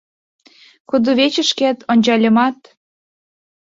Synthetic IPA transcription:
kud̪uβet͡ɕə̆ʃket̪onʲt͡ɕɑlʲə̆mɑt̪

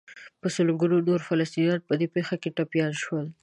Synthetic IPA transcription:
pəsəlɡunonoɾfalast̪injɑn̚pəd̪epexakeʈapjɑnʃwəl

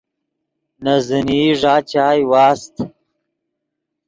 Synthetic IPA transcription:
nɐziniʐaːt͡ɕaːjwaːst̪

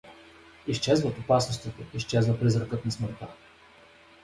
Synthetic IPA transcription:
iʃt͡ʃɛzvət̪opasnʊst̪vot̪oiʃt͡ʃɛzvəpɾizɾəkɤt̪nɐsməɾt̪a

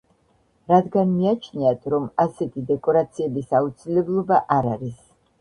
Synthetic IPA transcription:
ɾad̪ɡanmiat͡ʃʰniat̪ʰɾɔmasɛt̪ʰid̪ɛkʼɔɾat̪sʰiɛbisaut̪sʰilɛblˠɔbaʔaɾaɾis

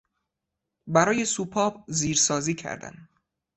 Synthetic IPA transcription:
bæɾɒːje̞suːpʰɒːbziːɾsɒːziːcʰæ̰ɾd̪æ̰n

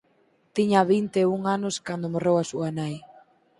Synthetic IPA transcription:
t̪iɲaβint̪euŋanʊskand̪omorewasuanaj

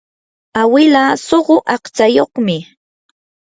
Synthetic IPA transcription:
awɪlasoɢʊʔɑqt͡ʃajoχmɪ

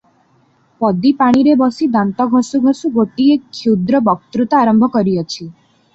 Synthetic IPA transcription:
pɔd̪ipaɽ̃iɾebɔsid̪ant̪ɔɡʱɔsuɡʱɔsuɡoʈiekʰud̪ɾɔbɔk̚t̪ɾut̪ɔaɾɔmbʱɔkɔɾiɔt͡ʃʰi

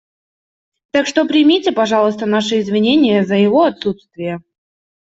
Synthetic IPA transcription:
t̪akʂt̪o̞pɾʲɪmʲitʲɪpɐʐɑlˠəst̪ənaʂɨɪzvʲɪnʲenʲɪjəzəjɪvo̞ɐt̪sut̪st̪vʲɪjə

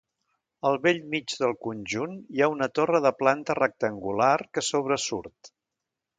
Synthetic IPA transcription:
əlˠβeʎmid͡ʒðəlˠkunʲʒuniaunət̪orəðəplant̪ərək̚t̪əŋɡularkəsoβ̞ɾəsuɾt̪

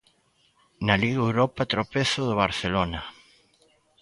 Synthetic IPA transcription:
naliɣewɾɔpɐt̪ɾopeθʊðʊβaɾθelonɐ

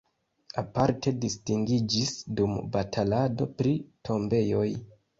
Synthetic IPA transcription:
apaɾte̞distiŋɡid͡ʒisdumbatʰalado̞̰pɾitʰo̞mbe̞jo̞j

